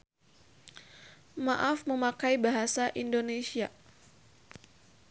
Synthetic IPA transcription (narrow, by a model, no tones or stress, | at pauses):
maʔafməmakajbaɦasaʔindonesia